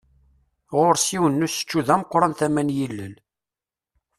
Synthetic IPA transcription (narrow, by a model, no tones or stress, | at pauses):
ʁoɾsiwənːusə̥t͡ʃːuðæməqːɾˤɑnθæmænjilːəl